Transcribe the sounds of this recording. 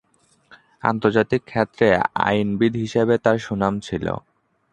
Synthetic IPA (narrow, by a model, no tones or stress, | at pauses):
a̰nt̪oɾd͡ʑat̪ikʰːet̪ːɾea̰jnbid̪ʱɦiʃebet̪aɾʃunamt͡ɕʰilo̰